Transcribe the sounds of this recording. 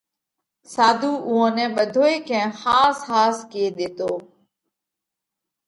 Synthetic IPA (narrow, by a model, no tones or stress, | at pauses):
saːd̪ʱuːʔuːɦãːnɛ̃ːɓəd̪ʱoːeːkʰɛ̃ːxaːshaːskieːɗ̪eːt̪oː